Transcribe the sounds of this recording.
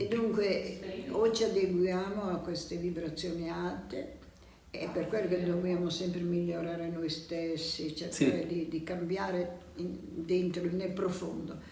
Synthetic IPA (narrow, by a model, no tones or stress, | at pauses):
ed̪ːuŋkweot͡ʃiad̪eɡwjaːmoakːwest̪evibɾat̪sːjoːniat̪ːḛ | ɛpːerkwelːoked̪ːobjaːmosɛmpɾemilːoɾaːɾenojst̪esːit͡ʃerkaːɾed̪id̪ikambjaːɾe | d̪ent̪ɾonelpɾofond̪o